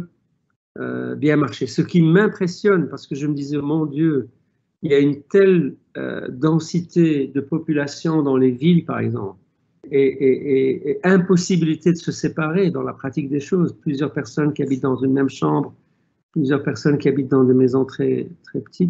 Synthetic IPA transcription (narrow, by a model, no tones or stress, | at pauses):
ø̰bjɛ̃maʁʃesəkʲimɛ̃pχesjɔnpaʁsə̥kəʒəməd̪izɛmɔ̃d̪jø | iljaynt̪ɛl | ø̰d̪ɑ̃sit̪ed̪əpɔpylasjɔ̃d̪ɑ̃levilpaʁɛ̰ɡzɑ̰̃pl | eʔeʔeɛ̃pɔsibilit̪ed̪əsəsepaʁed̪ɑ̃lapχat̪ik̚d̪eʃoːzplyzjœʁpɛʁsɔnkʲiabit̪̚d̪ɑ̃zynmɛmʃɑ̃bʁ | plyzjœʁpɛʁsɔnkʲiabit̪̚d̪ɑ̃d̪emezɔ̃t̪χɛt̪χɛpə̥t̪ʰit̪